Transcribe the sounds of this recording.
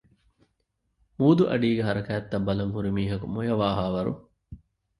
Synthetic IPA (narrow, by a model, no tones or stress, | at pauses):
muːd̪uʔɐ̰ɖiːɡeɦɐɾɐkæːt̪ːɐbːɐlɐŋɦuɾimiːɦɐkumojɐʋaːɦaːʋɐɾṵ